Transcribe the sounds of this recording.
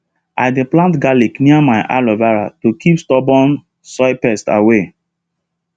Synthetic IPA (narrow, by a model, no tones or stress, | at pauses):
a̰ɪdeplãntɡalikniamaɪʔa̰lɔvaɹa̰tokʰipstɔbɔ̃n | sɔɪpɛsta̰we